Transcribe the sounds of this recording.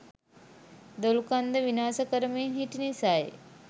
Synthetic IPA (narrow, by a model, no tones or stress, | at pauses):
d̪olukand̪əʋinaːsəkəɾəmeɦiʈinisaj